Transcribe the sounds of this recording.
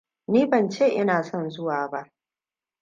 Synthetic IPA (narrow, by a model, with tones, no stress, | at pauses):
niː˦bɐ˨nt͡ʃeː˦˨ʔɪ˦naː˨sɔ˦˨nzʊ˦waː˨ba˦ʔ